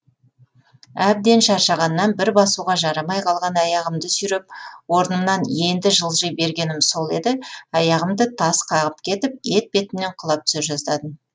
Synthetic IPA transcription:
æb̚d̪e̞nʃɑɾʃɑʁɑnːɑnbɪɾbɑsuʁɑʒɑɾɑmɑjqʰɑlˠʁɑnɑjɑʁəmd̪əsʏjɾep̚wo̞ɾənəmnɑne̞nd̪ɪʒəlˠʒəjbe̞ɾɡʲe̞nɪmso̞lˠe̞d̪ɪɑjɑʁəmd̪ət̪ʰɑsqʰɑʁəp̚kʲʰe̞t̪ɪp̚e̞t̪̚be̞t̪ɪne̞ɴqʰəlˠɑp̚t̪ʰʏ̥sɪpʒɑzd̪ɑd̪əm

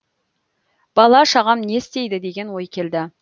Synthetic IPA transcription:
b̥ɑlˠɑʃɑʁɑmne̞st̪e̞jd̪ɪd̪e̞ɡʲe̞nwo̞jkʲʰe̞ld̪ɪ

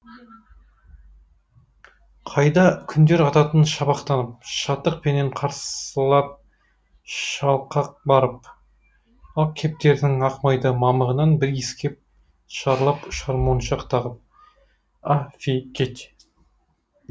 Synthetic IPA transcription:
qʰɑjd̪ɑkʲʰʏnd̪e̞ɾɑt̪ɑt̪ənʃɑβɑqt̪ɑnəp̚ʃɑt̪ːəq̚pʰe̞neɴqʰɑɾsəlˠɑp̚ | ʃɑlˠqɑq̚bɑɾəp̚ | ɑlˠkʲʰe̞p̚t̪e̞ɾd̪ɪŋɑqmɑjd̪əmɑməʁənɑnbɪɾeskʲe̞p̚ | ʃɑɾlˠɑpʊʃɑɾmonʃɑqt̪ɑʁəp̚ | afʲikʲʰet̪

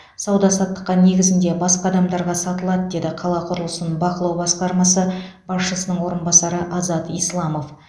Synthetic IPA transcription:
sɑwd̪ɑsɑt̪ːə̥qːɑne̞ɡʲɪzɪnd̪e̞bɑsqɑːd̪ɑmd̪ɑɾʁɑsɑt̪əlˠɑd̪əd̪e̞d̪ɪqʰɑlˠɑqʰʊɾəlˠəsənəbɑqəlˠɑwbɑsqɑɾmɑsəb̥ɑsʃəsənəɴwo̞ɾənbɑsɑɾəʔɑzɑt̪ijslˠɑmo̞f

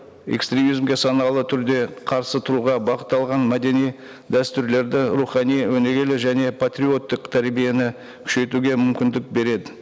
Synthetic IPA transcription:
ḛkst̪ɾʲe̞mijzmɡʲe̞sɑnɑlˠət̪ʰʏɾd̪e̞qʰɑɾsət̪ʰʊɾuʁɑbɑqət̪ːɑlˠʁɑnmæd̪e̞nij | d̪æst̪ʏɾle̞ɾd̪ɪɾuχɑnijwɵne̞ɡʲe̞lɪʒæne̞pʰat̪ɾʲio̞t̪ːəqt̪ʰæɾbije̞nɪ | kʲʰʏ̥ʃe̞t̪uɡʲe̞mʏmkʲɪnd̪ɪk̚be̞ɾe̞d̪ɪ

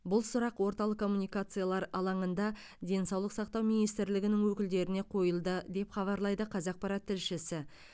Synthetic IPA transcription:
bʊlˠsʊɾɑqwo̞ɾt̪ɑlˠəqkʰːo̞mːunijkat̪sɨjalˠɑɾɑlˠɑɴənd̪ɑ | d̪e̞nsɑwlˠəqsɑqt̪ɑwminijst̪ɪɾlɪɡʲɪnɪŋwɵkʲɪld̪e̞ɾɪneqʰo̞jəlˠd̪əd̪e̞pχɑβɑɾlˠɑjd̪əqʰɑzɑq̚pɑɾɑt̪ʰːɪlʃɪsɪ

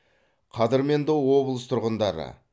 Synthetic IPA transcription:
qʰɑd̪əɾme̞nd̪ɪwo̞blˠəst̪ʰʊɾʁənd̪ɑɾə̰

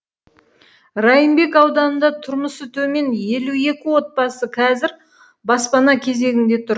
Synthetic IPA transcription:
rɑjəmbe̞kɑwd̪ɑnənd̪ɑt̪ʰʊɾməsət̪ʰɵme̞nje̞lue̞kʲɪwo̞t̪̚pɑsəqʰɑzɪɾ | bɑspɑnɑkʲʰe̞ze̞ɡʲɪnd̪e̞t̪ʰʊɾ

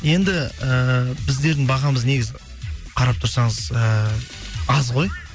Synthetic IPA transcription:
je̞nd̪ɪəbɪzd̪e̞ɾd̪ɪŋbɑʁɑməzne̞ɡʲɪzɪ | qʰɑɾɑp̚t̪ʰʊɾsɑɴəzə | ɑzʁo̞j

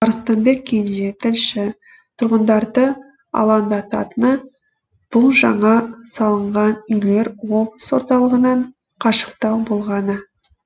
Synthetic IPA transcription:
ɑɾəst̪ɑnbe̞k̚ʲʰːenʒe̞t̪ʰɪlʃɪ | t̪ʰʊɾʁənd̪ɑɾd̪ə | ɑ̰lˠɑnd̪ɑt̪ɑ̰t̪ənə | b̥ʊlˠʒɑɴɑsɑlˠəɴʁɑnʏjle̞ɾwo̞bəswo̞ɾt̪ɑlˠəʁənɑɴ | qʰɑʃə̥q̚t̪ɑwbolˠʁɑnə

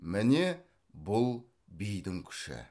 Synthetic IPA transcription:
mɪne | bʊlˠ | bijd̪ɪŋkʲʰɪ̥ʃɪ̰

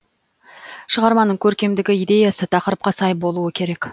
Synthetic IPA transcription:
ʃəʁɑɾmɑnəɴkʲʰɵɾkʲe̞md̪ɪɡʲɪijd̪e̞jɑsət̪ʰɑqəɾəp̚qɑsɑjbo̞lˠuəkʲʰe̞ɾe̞k

